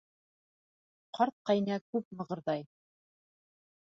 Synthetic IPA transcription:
qʰɑɾt̪̚qɑjnækʉp̚mɤ̆ʁɤ̆ɾðɑj

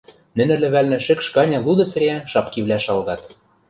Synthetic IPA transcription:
nɘ̆nɘ̆lɘ̆βælnɘ̆ʃɘ̆kʃkɑnʲɑlˠud̪ɤ̆s̆ɾʲeæʃɑpkiβlʲæʃɑlɣɑt̪

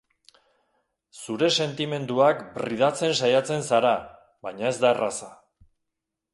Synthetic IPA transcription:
suɾe̞se̞nt̪ime̞nd̪uakbriðat͡se̞nsajat͡se̞nsaɾa | βajɲae̞zd̪arʔasa

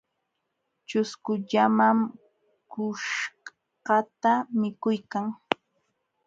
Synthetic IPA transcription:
t͡ʃʊskʊʎamam | kʊʃ | qɑt̪amɪkʊjkaŋ

